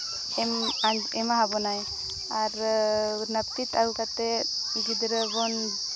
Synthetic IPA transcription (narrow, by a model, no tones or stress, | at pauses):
ɛmaɛmaɦabɔnaj | aɾ | nap̚t̪it̪alkat̪ɛɡid̪ɾəbɔn